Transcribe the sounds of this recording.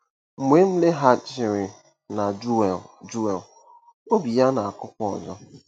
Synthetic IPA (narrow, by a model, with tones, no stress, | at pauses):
ŋ͡m̩˨me˨˦m̩˦le˦ɦa˦t͡ʃɪ˨ɾɪ˨ | na˨˦˨d͡ʒu˦e˨l | o˦bi˨ja˦na˨a˨kʊ˦kʷɔ˦ɔ̰˨d͡ʒɔ˦